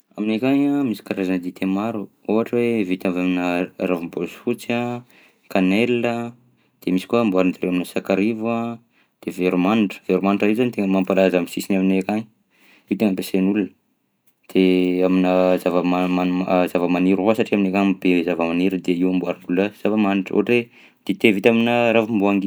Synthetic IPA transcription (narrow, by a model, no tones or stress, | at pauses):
aminekaɲamisi̥kaɾazanəd̪it̪ʰemaɾuoɦaʈ͡ʂəwevit̪amvaminəɾavumbozfut͡sa | kanelə | d̪̥emisi̥kuambuaɾnd̪aɾewaminəsakaɾiva | d̪̥eveɾumanʈ͡ʂə̥veɾumanʈ͡ʂaizanit̪eŋəmampalazamisisinaminekaɲ | it̪eŋəmpesenulunə | d̪̥eaminəzavəmaazavəmaniɾasaʈ͡ʂiaminekanbezavəmaniɾud̪eiwambuaɾind̪ulaz̥avəmaniʈ͡ʂo̰aʈ͡ʂwe | d̪̥et̪evit̪aminəɾavumbuaŋɡi